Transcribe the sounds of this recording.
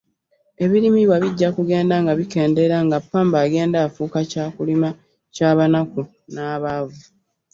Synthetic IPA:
e̞βiɾimiβwaβiɟːakuɡe̞ːndaŋɡaβike̞ːnde̞ɾaŋɡapːaːmbaːɡe̞ːndaːfuːkacaːkulima | caːβanaku | naːβaːvu

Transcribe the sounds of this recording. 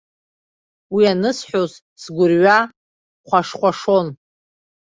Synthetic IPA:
wianɨsħʷoz | sɡʷʊrɥa | χʷaʂχʷaʂo̞n

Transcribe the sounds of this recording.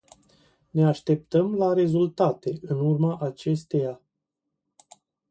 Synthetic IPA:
ne̞aʃt̪e̞p̚t̪əmlaɾe̞zult̪at̪e̞ʔɨnurmaʔat͡ʃe̞st̪e̞ja

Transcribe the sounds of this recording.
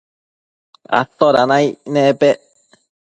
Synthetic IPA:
a̰t̪ːoɾanainepe

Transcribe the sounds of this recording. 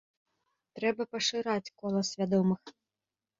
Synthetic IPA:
t̪ɾɛbɐpɐʂɨɾat͡sʲkɔlˠɐsʲvʲad̪ɔmɨx

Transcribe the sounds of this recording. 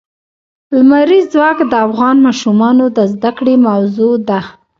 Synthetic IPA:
lmaɾizwɑkd̪əafɣɑnmɑʃumɑnod̪əzd̪akɽemawzod̪a

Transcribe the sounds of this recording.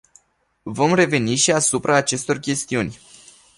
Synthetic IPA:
vo̞mre̞ve̞niʃiasupɾaːt͡ʃe̞st̪o̞rkʲe̞st̪iunʲ

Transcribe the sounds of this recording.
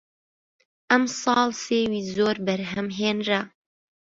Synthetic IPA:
ʔɛmsˤɑːlseːwiːzoːɾbɛɾɦɛmɦeːnra

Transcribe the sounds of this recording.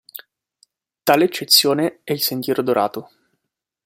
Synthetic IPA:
t̪aːleːt͡ʃːet̪sːjoːneɛilsent̪jɛːɾod̪oɾʔa̰ːt̪o

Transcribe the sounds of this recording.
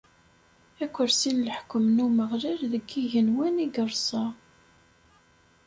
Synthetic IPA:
ækʷːəɾsinləħkːəmnuməʁliɾðəɡːiʝənwæniɡəɾˤsˤɑ

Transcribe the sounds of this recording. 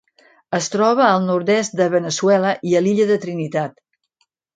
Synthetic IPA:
əst̪ɾɔβ̞əːlˠnuɾd̪ɛst̪̚d̪əβənəswɛləʔiəliʎəðət̪ɾinit̪at̪

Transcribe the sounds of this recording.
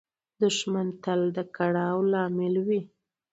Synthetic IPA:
d̪ʊʃmant̪ald̪əkaɽɑwlɑmɪlwi

